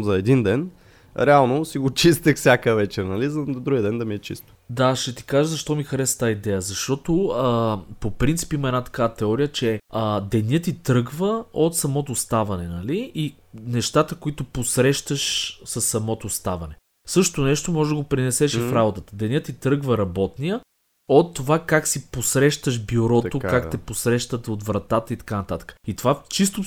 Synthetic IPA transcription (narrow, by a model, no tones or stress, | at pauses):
zɐɛd̪ind̪ɛn | ɾɛalˠnosiɡot͡ʃist̪əxfsʲjakəvɛt͡ʃɛɾnɐlizd̪ɾuɡʲjiəd̪ɛnd̪ɐmiɛt͡ʃḭst̪ʊ̥d̪aʃɛt̪i̥kaʒəzɐʃt̪ɔmixɐɾɛst̪aid̪ɛjəzɐʃt̪ɔt̪o | popɾint̪si̥piməɛd̪nat̪ɐ̥kavət̪ɛɔɾijət͡ʃɛəd̪ɛnʲət̪it̪ɾɤɡvəot̪sɐmɔt̪ost̪avɐnɛnɐlii | nɛʃt̪at̪əkoit̪oposɾɛʃt̪əʃsɐsːɐmɔt̪ost̪avɐnɛ | sɤʃt̪t̪onɛʃt̪omɔʒɛd̪ɐəɡopɾinɛsɛʃɛfɾabot̪ət̪əd̪ɛniət̪it̪ɾɤɡvəɾɐbɔt̪nijə | ot̪ːovakaksiposɾɛʃt̪əʃbjuɾɔt̪okakt̪ɛposɾɛʃt̪ət̪ot̪vɾɐt̪at̪əit̪ɐ̥kanɐt̪at̪ə̥kə̥it̪ovat͡ʃist̪o